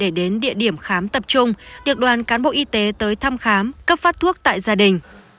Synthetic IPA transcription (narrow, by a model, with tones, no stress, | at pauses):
ɗe˧˩ɗe˨˦nɗḭ˧˨əɗi˧˩əmxaː˨˦mt̪ə˨˩p̚t͡ɕʊ˧ŋ͡mɗɨ̰˨˩ək̚ɗwaː˨˩nkaː˨˦nɓo̰˧˨ʔi˧t̪e˨˦t̪əː˨˦jt̪ʰa˧mxaː˨˦mkə˦˥p̚faː˦˥t̚t̪ʰu˦˥ək̚t̪a̰ː˧˨jzaː˧ɗï˨˩ŋ̟